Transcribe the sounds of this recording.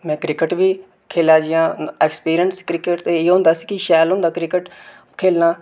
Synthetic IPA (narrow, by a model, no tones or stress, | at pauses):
mɛ̃ːkɾɪkəʈʋiː | kʰeːlaːd͡ʒɪjãːɛːkspiːɾijənskɾɪkɪʈt̪eːeːɦõːnd̪aːsi̥ːkɪʃɛːlɦʊ̃nd̪aːkɾɪkəʈ | kʰeːlnaː